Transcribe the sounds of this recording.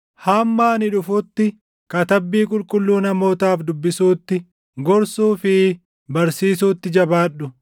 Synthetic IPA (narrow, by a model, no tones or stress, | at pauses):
haːmːaːnɪᶑʊfʊt̪ːɪ | kɐt̪ɐbːiːkʼʊlkʼʊlːuːnɐmo̞ːt̪aːfd̪ʊbːɪsuːt̪ːɪ | ɡɔɾsuːfɪ | bɐɾsiːs̬uːt̪ːɪd͡ʒɐbaːᶑʊ